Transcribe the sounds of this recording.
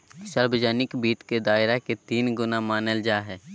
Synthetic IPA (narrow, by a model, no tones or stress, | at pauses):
ʃəɾbd͡ʒaːnɪkbiːt̪ked̪aːɪɾaket̪iːnɡʊnamaːnəld͡ʒaːɦɛː